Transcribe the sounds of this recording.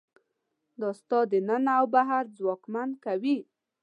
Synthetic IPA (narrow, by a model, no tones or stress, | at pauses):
d̪əst̪ɑd̪ənənaawbaɦaɾd͡zwɑkmankawi